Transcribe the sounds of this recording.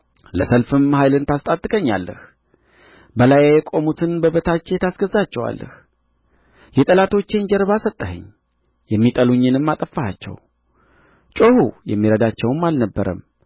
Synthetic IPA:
ləsəlfɨmhajlɨnt̪ʰast̪ʼat̪ʼːɨkʼəɲːa̰lːə̰h | bəlajjɛkʼo̞mut̪ʰɨnbəβət̪ʰat͡ʃːet̪ʰasɡəzat͡ʃːɛwa̰lːə̰h | jɛt̪ʼəlat̪ʰo̞t͡ʃːend͡ʒɛɾβasət̪ʼːəhə̰ɲː | jɛmːit̪ʼəluɲːɨnɨmːat̪ʼəfːahat͡ʃːɛ̰w | t͡ʃʼohujɛmːiɾəd̪at͡ʃːɛwmːalnəbːəɾə̰m

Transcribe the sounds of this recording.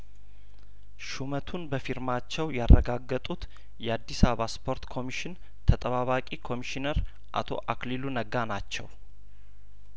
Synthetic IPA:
ʃumət̪ʰunbəfiɾmat͡ʃːɛwjarːəɡaɡːət̪ʼut̪ | jɛad̪ːisaβaspʰo̞ɾt̪kʰo̞miʃɪn | t̪ʰət̪ʼəβaβakʼikʰo̞miʃinəɾ | ʔa̰t̪ʰo̞̰ʔaklilunəɡanat͡ʃːɛw

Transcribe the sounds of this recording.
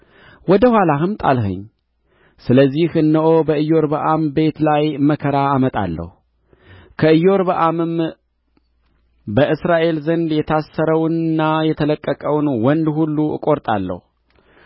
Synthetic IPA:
wɔd̪əhʷwalaɦɨmt̪ʼa̰lɦɨ̰ɲː | sɨləzːihɨnːəʔobəɨjo̞ɾbəʔambe̞t̪lajməkʰəɾaːmət̪ʼa̰lːə̰hu | kʰəɨjo̞ɾbəʔamɨm | bəʔɨsɾaʔe̞lzənd̪jɛt̪ʰasːəɾəwnnːajɛt̪ʰələkʼːəkʼəwnwɔnd̪hulːuɨ̰kʼoɾt̪ʼa̰lːə̰hu

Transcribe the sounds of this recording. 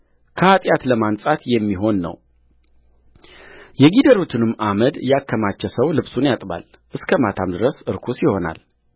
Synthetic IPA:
kʰəat̪ʼjat̪ləmansʼat̪jɛmːiɦo̞nːə̰w | jɛɡid̪əɾut̪ʰɨnɨmːʔaməd̪jakʰːəmat͡ʃːɛsəwlɨβsunjat̪ʼba̰l | ʔɨskʰəmat̪ʰamd̪ɨɾəsɨɾkʰusjɪho̞na̰l

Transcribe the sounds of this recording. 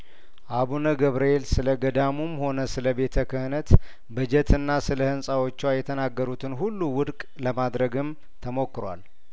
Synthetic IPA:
ʔaβunəɡəβɾəelsɨləɡəd̪amumho̞nəsɨləbe̞t̪ʰəkʰəhɨnət̪ | bəd͡ʒɛt̪ʰɨnːasɨləhɨnsʼawo̞t͡ʃːwajɛt̪ʰənaɡːəɾut̪ʰɨnɦulːuwʊd̪kʼ | ləmad̪ɾəɡɨm | t̪ʰəmo̞kːɨɾwa̰l

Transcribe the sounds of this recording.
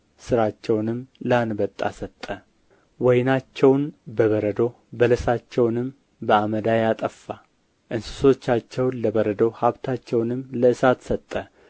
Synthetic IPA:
sɨɾat͡ʃːɛwnɨmləanbət̪ʼːa̰sət̪ʼːə | wɔjnat͡ʃːɛwnbəβəɾəd̪o̞ | bələsat͡ʃːɛwnɨm | bəaməd̪ajat̪ʼəfːa | ʔɨnsɨ̥so̞t͡ʃːat͡ʃːɛwnləbəɾəd̪owhaβt̪ʰat͡ʃːɛwnɨmləɨsat̪sət̪ʼːə

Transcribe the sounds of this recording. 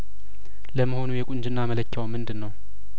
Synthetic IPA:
ləmːəho̞nujɛkʷʼʊnd͡ʒɨnːamələt͡ʃːawmːɨnd̪ɨnːəw

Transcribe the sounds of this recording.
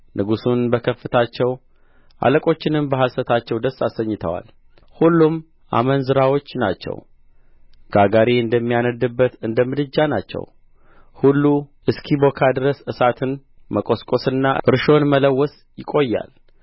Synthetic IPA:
nʔɨɡusunbəkʰəfːɨt̪ʰat͡ʃːɛw | ʔa̰ləkʼo̞t͡ʃːɪnɨmbəɦasət̪ʰat͡ʃːɛwd̪əsasəɲːɨt̪ʰə̰wa̰l | hulːum | ʔa̰mənzɨɾawo̞t͡ʃːna̰t͡ʃːɛ̰w | ɡ̥aɡaɾeɨnd̪əmːijanəd̪ɨbːət̪ɨnd̪əmɨd̪ɨd͡ʒːanat͡ʃːɛ̰w | hulːu | ɨskʰibo̞kʰad̪ɨɾəsɨsat̪ʰɨn | məkʼo̞skʼo̞sɨnːaʔɨɾʃo̞nmələwːɔs | jɪkʼo̞jːa̰l

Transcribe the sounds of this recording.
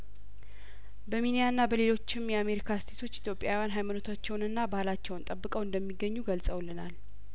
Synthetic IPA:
bəminijanːabəle̞lo̞t͡ʃːɪmjɛame̞ɾikʰast̪ʰe̞t̪ʰo̞t͡ʃːit̪jo̞pʼːjawijanɦajmanot̪ʰat͡ʃːɛwnɨnːabahlat͡ʃːɛwnt̪ʼəbːɨkʼəwɨnd̪əmːiɡːəɲːuɡəlsʼəwlɨnal

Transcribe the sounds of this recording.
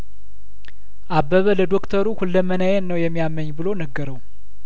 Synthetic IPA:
ʔabːəβələd̪o̞kt̪ʰəɾuhulːəmənəjɛnːəwjɛmːijamːəɲːbɨlonəɡːəɾəw

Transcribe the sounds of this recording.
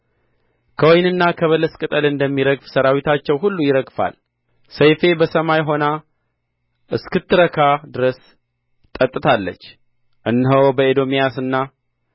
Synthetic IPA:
kʰəwɔjnɨnːakʰəβələskʼɨt̪ʼəlɨnd̪əmːiɾəɡfsəɾawit̪ʰat͡ʃːɛwɦulːujɪɾəɡfa̰l | səjfe̞bəsəmajɦo̞na | ʔɨskɨt̪ːɨɾəkʰad̪ɨɾəs | t̪ʼət̪ʼːɨt̪ʰalːə̰t͡ʃː | ʔɨnːɦəwbəed̪o̞mijasɨnːa

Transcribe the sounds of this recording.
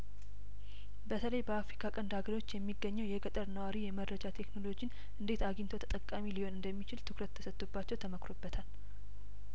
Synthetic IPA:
bət̪ʰələjbəafɾikʰakʼənd̪haɡəɾo̞t͡ʃːjɛmːiɡːəɲːɛwjɛɡət̪ʼəɾnəwaɾijɛməd̪ɾəd͡ʒat̪ʰe̞kno̞lo̞d͡ʒin | ʔɨnd̪e̞t̪aɡint̪ʰo̞t̪ʰə̥t̪ʼəkʼːamiliho̞nɨnd̪əmːit͡ʃɪlt̪ʰɨkɾət̪ʰːə̥sət̪ʼːubːat͡ʃːɛwt̪ʰəməkɾo̞bːət̪ʰal

